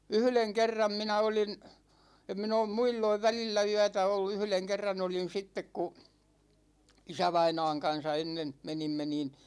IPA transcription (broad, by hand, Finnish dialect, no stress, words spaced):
yhleŋ kerːɑm minæ olin em min oːm muilːoiʋ ʋælilːæ yætæ olːu yhleŋ kerːɑn olin sitːek ku isæʋɑinɑ̝ːŋ kɑn̞sɑ enːen menimːe niːn